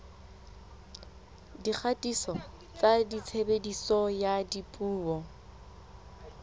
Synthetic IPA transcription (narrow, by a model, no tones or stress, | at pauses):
dik͡xʰatʼisɔ | t͡sadit͡sʰebedisɔjadipʼuːɔ